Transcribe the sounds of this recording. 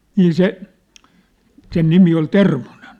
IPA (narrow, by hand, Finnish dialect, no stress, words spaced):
niː se sen nimi ol termo̝nen